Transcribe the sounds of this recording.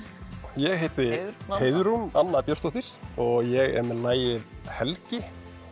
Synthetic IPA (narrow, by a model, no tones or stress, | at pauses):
jɛɣɦejt̪ɪheːjðʏɾumanːapjœst̪owht̪ɪɾ̥ɔɣjɛɣɛ̰mɛlaːjɪðhɛlcɪ